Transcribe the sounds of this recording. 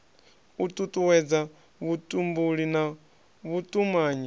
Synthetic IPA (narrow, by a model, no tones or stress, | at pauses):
ut̪ʼutʼuwɛd͡za | βutʼumbuɺina | βutʼumaːɲi